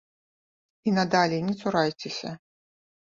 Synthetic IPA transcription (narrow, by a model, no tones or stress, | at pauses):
inɐd̪alʲinʲɛt̪suɾajt͡sʲɛsʲɐ̰